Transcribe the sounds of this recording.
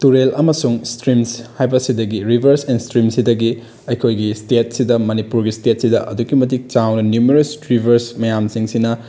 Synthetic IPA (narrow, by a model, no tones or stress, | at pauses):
tuɾelʔɐmɐsuŋstɾimshajbɐsidɐɡiɾibʱɐɾsenstɾimsidɐɡi | ɐjkʰojɡistet̚sidɐmɐnipuɾɡistet̚sidɐʔɐ̰duɡimɐtik̚t͡ʃawnɐnjumeɾosɾibʱɐɾsmɐjamsiŋsinɐ